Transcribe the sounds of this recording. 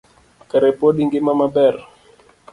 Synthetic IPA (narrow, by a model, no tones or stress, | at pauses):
kəɾɛpoɗiŋɡimamabɛr